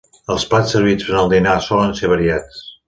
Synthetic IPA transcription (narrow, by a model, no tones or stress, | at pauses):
əlˠspasəɾβizβənəlˠd̪inasɔlənseβəɾiat͡s